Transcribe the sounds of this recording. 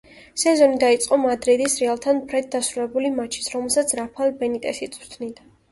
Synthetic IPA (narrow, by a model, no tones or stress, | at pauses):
sɛzɔnid̪ait̪sʼqʼɔmad̪ɾid̪isɾialˠt̪ʰanpʰɾɛt̪̚d̪asɾulɛbulimat͡ʃʰi̥sɾɔmɛlˠsat̪sʰɾapʰalˠbɛnit̪ʼɛsit̪sʼɾt̪ʰnid̪a